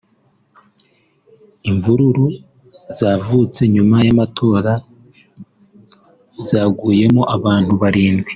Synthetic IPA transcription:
iɱvuɾuɾu | zavuːt͡se̞ɲumajamatʰo̞ːɾa | zaːɡuːje̞moʔaβaːn̥huβaɾiːnɡwi̥

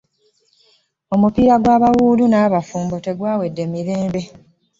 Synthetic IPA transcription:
o̞mupiːɾaɡwaːβawuːlunaːβafuːmbote̞ɡwaːwe̞dːe̞miɾe̞ːmbe̞

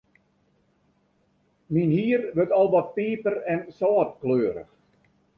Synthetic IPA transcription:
minhiːərʋøtɔlˠʋɔt̚piːpərɛnsɔːtkløːɾə̰x

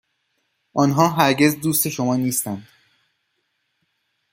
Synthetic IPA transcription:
ʔɒːnɦɒːɦæɾɟe̞zd̪uːst̪eʃomɒːniːst̪ænd̪̥

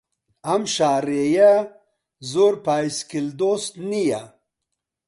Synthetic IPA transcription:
amʃaːɾeja | zoɾpaːiskild̪ost̪nija

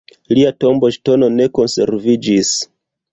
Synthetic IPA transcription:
liato̞mbo̞ʃto̞no̞ne̞ko̞nse̞̰ɾvid͡ʒis

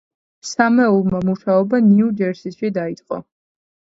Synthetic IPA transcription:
samɛulˠmamuʃaɔbaniud͡ʒɛɾsiʃid̪ait̪sʼqʼɔ̰

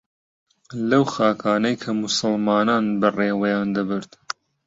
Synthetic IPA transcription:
lɐwxaːkʰaːnɐjkʰɐmʊsɨlmɑːnaːnbɐreːwɐjaːnd̪ɐbɨɾt̪

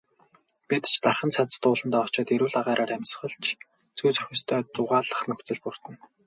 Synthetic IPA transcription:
pit̪t͡ɕʰt̪arχə̆nt͡sʰat͡s̪t̪ʊːɮə̆nt̪ɔːɔt͡ɕɔːt̪eɾuːɮaʁaːɾʔaːɾæmʲsχə̆ɮt͡ɕʰ | t͡sujt͡sʰœ̥xʲɪ̆st̪ʰœːt͡sʊʁaːɮə̆χnɵxt͡sɘ̆ɮpʊr̥t̪ə̆n

